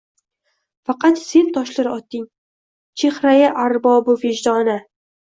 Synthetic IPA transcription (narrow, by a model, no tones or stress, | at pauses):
fɑqʰɑt̪se̞nt̪ʰɒʃlɪɾɪɒt̪ːɪŋ | t͡ʃʰe̞χɾajaʔaɾbɒbʊvɪd͡ʒd̪ɒnɪ